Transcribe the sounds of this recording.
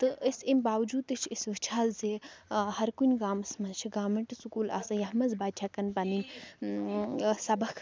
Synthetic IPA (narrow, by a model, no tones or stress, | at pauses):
t̪ɨʔəsʲimbaːʋd͡ʒuːd̪ɐt͡ʃʰəsʋɨt͡ʃʰaːzzehɐɾkunʲɡaːmɐsmɐzt͡ʃʰiɡaːmɐɳʈsukuːla̰ːsɨjɐɦmɐzbaːd̪t͡ʃʰakɐnpɐninʲ | sɐbɐkʰ